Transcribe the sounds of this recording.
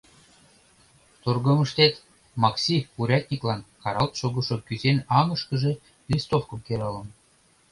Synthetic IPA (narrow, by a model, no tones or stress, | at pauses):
t̪orɣɤ̆mə̆ʃt̪et̪ | mɑksʲipuɾʲɑt̪ʲnʲiklɑnkɑɾɑlt̪ʃoɣə̆ʃŏkyzenɑŋə̆ʃkə̆ʒĕ | lʲist̪ofkə̆mkeɾɤlə̆n